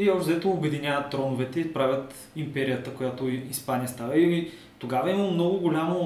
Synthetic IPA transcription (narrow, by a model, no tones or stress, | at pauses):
iɔzd̪ɛt̪oːbɛd̪inʲjavət̪ːɾɔnʊvɛt̪ɛipɾavʲət̪ | impɛɾijət̪əkojat̪oispanijəst̪avəili | t̪oɡavɐɛiməlˠomnɔɡʊɡolʲamo